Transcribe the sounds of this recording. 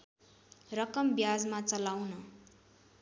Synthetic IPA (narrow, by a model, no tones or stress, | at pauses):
rʌkʌmbjad͡zmat͡sʌlawnʌ